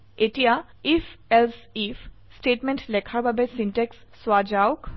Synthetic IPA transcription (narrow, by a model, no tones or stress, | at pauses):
etija | ifʰelsifʰsʈeʈmẽnʈlɛkʰaɹbʱabesinʈeksːwad͡ʒawk